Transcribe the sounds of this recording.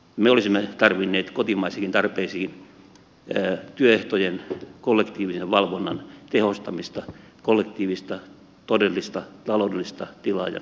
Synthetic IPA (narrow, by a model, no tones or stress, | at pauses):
meolisimːet̪ɑrʋinːeːt̪kot̪imɑisekint̪ɑrpeːsiinː | t̪yøeht̪ojenkolːekt̪iːʋiseʋʋɑlʋonːɑ̰nt̪ehost̪ɑmist̪ɑ | kolːekt̪iːʋist̪ɑ | t̪odelːist̪ɑt̪ɑloudelːˑist̪ɑt̪ilɑ̰ːjɑ̰